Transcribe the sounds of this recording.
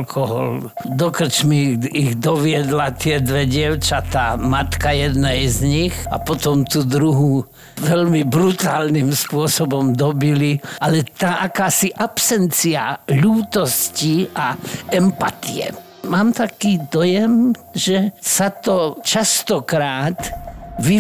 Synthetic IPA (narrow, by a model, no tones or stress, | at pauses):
lkʰɔɦɔ̰l | d̪ɔkr̩t͡ʃmiiɣd̪ɔʋɪɛd̪lat̪ɪɛd̪ʋɛɟɪɛʊt͡ʃat̪aːmat̪kajɛd̪nɛjzɲixa̰pɔt̪ɔmt̪ud̪ɾuɦu | ʋɛʎmibɾut̪aːlnimspʊɔsɔbɔmd̪ɔbiliʔalɛt̪aʔakaːsiʔapsɛnt͡sia̰ʎuːt̪ɔsciʔaɛmpat̪ijɛ̰ | maːmt̪akiːd̪ɔjɛm | ʒɛsat̪ɔt͡ʃast̪ɔkɾaːt̪ʋi